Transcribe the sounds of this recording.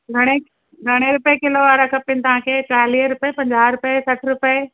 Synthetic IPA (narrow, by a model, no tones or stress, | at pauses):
ɡʱɐɽ̃e | ɡʱɐɽ̃eɾʊpekɪloʋaːɾakʰəpːinɪt̪ɐʋ̤ãːkʰeːt͡ɕaːɦliːɦɾʊpepɐ̃ɲd͡ʑaːɾʊpesɐʈʰɾʊpe